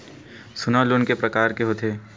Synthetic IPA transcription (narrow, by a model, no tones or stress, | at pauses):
sʊnalunkepɾɐkaːɾkeɦot̪ʰeː